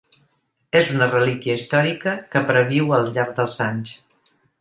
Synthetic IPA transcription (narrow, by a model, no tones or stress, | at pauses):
ezunərəlikjəist̪ɔɾikəkəpɾəβiwəlˠʎaɾɡ̚d̪əlˠzaɲs